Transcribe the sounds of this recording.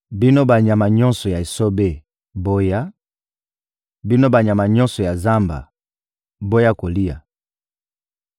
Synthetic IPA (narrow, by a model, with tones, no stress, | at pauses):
bi˦no˦ba˨ɲa˨ma˨ɲɔ̃˦nsɔ˨ja˨e˨so˦be˦ | bo˦ja˦ | bi˦no˦ba˨ɲ˨a˨ma˨ɲɔ̃˦nsɔ˨ja˨za˦mba̰˨ | bo˦ja˦ko˨li˦ja̰˨